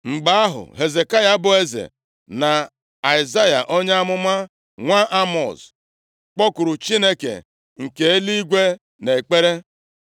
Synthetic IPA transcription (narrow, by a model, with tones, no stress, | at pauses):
ŋ͡m̩˨ɡ͡ba˨˦a˦ɦʊ̰˨ɦe˨ze˨ka˦ja˦bʊ˦e˦zḛ˨ | na˨ | a˨ɪ˨za˦ja̰˨ʔo˦ɲ˦a˦mʊ˦ma˦ | ŋʷa˦ʔa˦mɔ̰˨s | k͡pɔ˦kʊ˨ɾʊ˨t͡ʃi˦ne˦kḛ˨ | ŋ̩˨ke˨e˦li˦ɡʷe˦ | ne˨k͡pe˦ɾe˦